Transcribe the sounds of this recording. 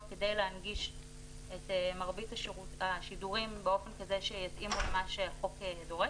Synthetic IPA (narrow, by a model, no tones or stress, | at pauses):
ke̞de̞jleanɡiʃ | etemaʁbitaʃuaʃiduʁimbeo̞fe̞nkaze̞ʃejat͡simulemaʃeχo̞kedo̞ʁe